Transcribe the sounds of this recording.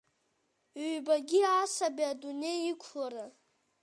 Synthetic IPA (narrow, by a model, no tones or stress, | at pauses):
ɥbaɡʲiaːsabiadune̞jikʷʰlaɾa